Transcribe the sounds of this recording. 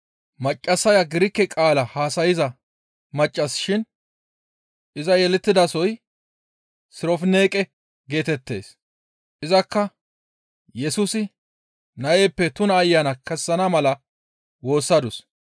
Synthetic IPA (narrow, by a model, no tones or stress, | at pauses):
mɐt͡ʃʼːɐsɐjɐɡɪɾɪkːɛkʼaːlɐhaːsɐjɪzɐ | mɐt͡ʃʼːɐsʃɪn | ʔɪzɐjɛlɛt̪ːɪd̪ɐsɔj | sɪɾɔfne̞ːkʼɛ | ɡe̞ːt̪ɛt̪ːe̞ːs | ʔɪzɐkːɐ | jɛsʊsɪ | nɐʔeːpːɛt̪ʊnɐːjːɐnɐkɛsːɐnɐmɐlɐ | wo̞ːsːɐd̪ʊs